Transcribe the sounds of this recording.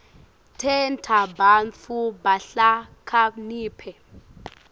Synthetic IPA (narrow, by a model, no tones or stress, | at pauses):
tʰɛntʰabant͡fʰubaɬakʰaniːpʰɛ